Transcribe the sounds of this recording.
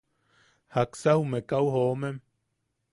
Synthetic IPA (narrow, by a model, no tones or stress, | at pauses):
haksahumekawhoːmem